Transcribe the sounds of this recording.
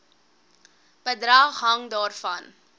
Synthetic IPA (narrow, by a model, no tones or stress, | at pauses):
b̥ədɾɐχɦɐŋdɑːrfɐn